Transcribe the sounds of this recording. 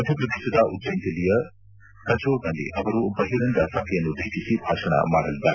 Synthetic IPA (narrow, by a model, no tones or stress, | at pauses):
mɐd̪ʱjɐpɾɐd̪eːʃɐd̪aʔut̪ːd͡ʒɐnt̪ilijɐ | k̪ɐd͡ʒoːɾnɐlːḭʔɐʋɐɾubɐɦiɾɐnd̪ɐsɐkʰɐjɐnːud̪eːʃisibʱaːʃɐɳa̰ma̰ːɽɐlid̪ːa̰